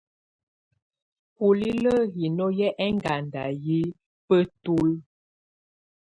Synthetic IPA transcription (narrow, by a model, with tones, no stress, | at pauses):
pu˨li˦lə˦ɦi˨nɔ˦jɛ˦ʔɛ˦ŋɡa˨nda˨ji˦ | pə˦tu˦l